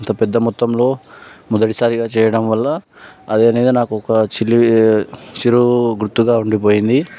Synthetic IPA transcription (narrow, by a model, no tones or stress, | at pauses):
nt̪ɐpɛd̪ːɐmut̪ːɐmlo̞ːmɔd̪ɐʈisaːɾiɡaːt͡ʃɛːjɐɽɐmʋɐlːɐː | d̪eɐneːd̪inaːkuɔkɐt͡ʃilːi | t͡ʃiɾuɡɾut̪ːuɡaːuɳɖipo̞ːjind̪i